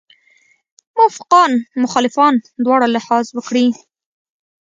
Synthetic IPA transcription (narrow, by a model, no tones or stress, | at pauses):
mʊwafɪqɑnmʊxɑːlɪfɑnd̪wɑɽalɪhɑzwəkɽi